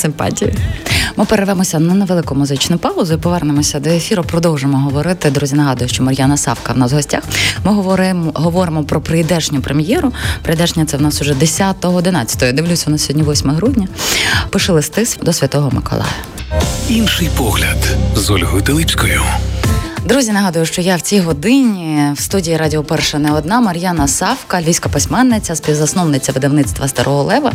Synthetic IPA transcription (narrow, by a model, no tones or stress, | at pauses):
sɪmpɑ̰tʲijḭmɪpeɾeʋɛmɔsʲɐnɐneʋelˠɪkʊmʊzɪt͡ʃnʊpɑʊzʊipɔʋɛrnemɔsʲɐd̪ɔefʲiɾɐpɾɔd̪ɔwʒemɔɦɔʋɔɾɪt̪ɪd̪ɾuzʲinɐɦɑd̪ʊjʊʃt͡ʃɔmɐɾʲjanɐsɑ̰wkɐwnɑzɦɔsʲtʲaxmɪɦɔɔɾmɦɔʋɔɾɪmɔpɾɔpɾejd̪ɛʒnʲʊpɾemjɛɾʊpɾejd̪ɛʒnʲɐt̪sɛwnɑsʊʒɛd̪esʲat̪ɔɦɔːd̪ɪnɑt͡sʲɐ̥t̪ɔɦɔjd̪ɪʋlʲusʲɐwnasʲɦɔdʲnʲiʋɔsʲmɔɔɦɾudʲnʲɐpɪʃɛlˠɪst̪ɪsd̪ɔsʲʋʲɐt̪ɔɦɔmɪ̰kɔ̰lˠɑ̰jɐ | inʃɪjpɔɦlʲɐd̪zɔlʲɦɔjʊt̪ɪlˠɪpʲsʲkɔjʊ | d̪ɾuzʲinɐɦɑd̪ʊjʊʃt͡ʃɔjawt͡sʲiɦɔd̪ɪnʲiwst̪udʲijːɾɑdʲiɔpɛrʃɛnɛɔd̪nɑmɐɾʲjanɐsɑwkɐlʲisʲkɐpesʲmɛnːɪt͡sʲɐspʲiwzɐsnɔwnɪt͡sʲːɐʋɪd̪ɐwnɪt̪st̪ʋɐst̪ɐɾʔɔɦɔlˠɛʋɐ